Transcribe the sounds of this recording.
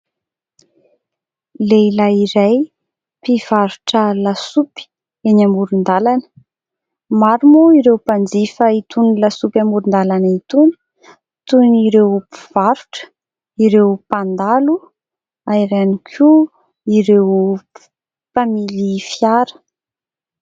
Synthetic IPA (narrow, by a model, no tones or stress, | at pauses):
lelaiɾaj | piv̥aɾuʈ͡ʂəlasupi̥ | enamuɾund̪alanə̥ | maɾumuiɾewpand͡zifəit̪unlasupamuɾund̪alanit̪unu̥ | t̪uniɾewpi̥v̥aɾuʈ͡ʂə̥ | iɾewpand̪alu | aiɾanikʰu | iɾew | pamilifjaɾə̥